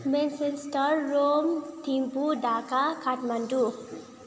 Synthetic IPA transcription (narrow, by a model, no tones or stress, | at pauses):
mẽnsesʈəɾːomt̪ʰimpud̪aːkakʰaʈmɐɳɖu